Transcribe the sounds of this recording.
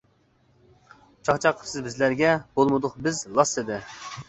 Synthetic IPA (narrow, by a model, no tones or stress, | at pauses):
t͡ʃʰɑχt͡ʃʰɑqʰːə̥fsɨzbɪzlæɾɡʲɛbolˠmɨd̪ʊqbɪzlˠɑsɨd̪ɪ